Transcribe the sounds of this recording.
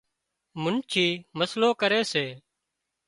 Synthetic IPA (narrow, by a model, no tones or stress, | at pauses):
mʊnt͡ʃʰiːməsloːkəɾeːseː